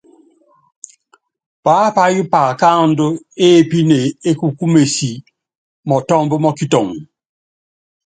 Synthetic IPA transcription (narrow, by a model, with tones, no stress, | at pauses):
paː˨˦pa˦ju˦pa˨ka˦˨˦n˦dʊ˦e˦˨pi˦ne˨e˦ku˨ku˦me˨si˨ | mɔ˨tɔ˦mbu˦mɔ˦ki˦tɔ˨ŋ